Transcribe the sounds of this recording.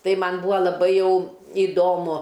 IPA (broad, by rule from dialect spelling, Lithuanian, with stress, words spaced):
ˈtɐɪ ˈmɐn ˈbuːɐ lˠɐˈbɐɪ ˈjɛʊ ɪˈdoːmʊ